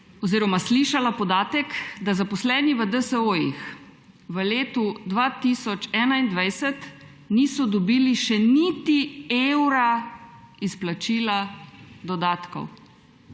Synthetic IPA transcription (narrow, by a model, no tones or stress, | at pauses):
ɔziːɾɔmasliːʃalapɔd̪aːt̪ɛkd̪azapɔslɛːniʋəd̪əsəojḭx | ʋəleːt̪ud̪ʋat̪isɔt͡ʃɛːnaind̪ʋajsɛt̪ | niːsɔd̪ɔbiːliʃɛnit̪iewɾa | isplat͡ʃiːlad̪ɔd̪aːt̪kɔ̰w